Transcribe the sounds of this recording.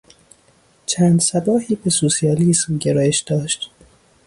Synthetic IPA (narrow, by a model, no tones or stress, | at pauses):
t͡ʃʰæːnd̪sæbɒːhiːbe̞sosijɒːliːsuːɟeɾɒːjeʃd̪̥ɒːʃt̪